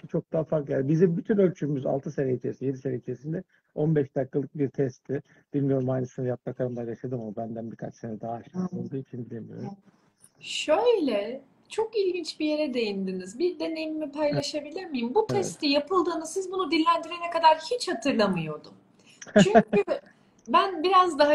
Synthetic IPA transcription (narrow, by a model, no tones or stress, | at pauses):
t͡ʃʰo̞k̚d̪aɦafaɾkjaːbizimbyt̪ʰynølʲt͡ʃʰymyza̰lˠt̪ʰɯseɾeit͡ʃʰeɾisinje̞d̪iseɾeit͡ʃʰeɾsind̪ɛ | o̞nbɛʃd̪akːalˠɯk̚biɾt̪ʰɛst̪ʰɪ | d̪̥ilʲmijo̞ɾumajnɯsɯnjat̪̚bakʰaɾɯmd̪ajaʃad̪ɯmaabænd̪ænbiɾkʰat͡ʃsenɛd̪aɦaːʃt̪olˠd̪uit͡ʃʰinbilʲimijo̰ɾum | ʃøjlʲɛ | t͡ʃʰo̞kilʲɟint͡ʃbije̞ɾɛd̪e̞jind̪inizbiɾd̪e̞ne̞jimipʰajlˠaʃabilʲiɾmijimbut̪ʰɛst̪ijapʰɯlˠd̪ɯːnɯsizbunud̪ilʲːænd̪iɾe̞nɛkad̪aɾhit͡ʃhat̪ʰɯɾlˠamɯjo̞d̪um | t͡ʃʰyɲcy | bænbiɾazd̪aɦa